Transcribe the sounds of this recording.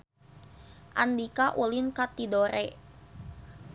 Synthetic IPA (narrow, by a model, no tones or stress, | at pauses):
ʔa̰ndikaʔulinkat̪idoɾɛ